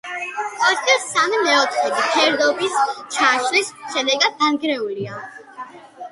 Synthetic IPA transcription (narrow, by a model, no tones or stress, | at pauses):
ɔt̪ʰdɛsamimɛɔt̪ʰχɛbikʰɛɾd̪ɔbist͡ʃʰaʃlisʃɛd̪ɛɡad̪̚ɡanɡɾɛulia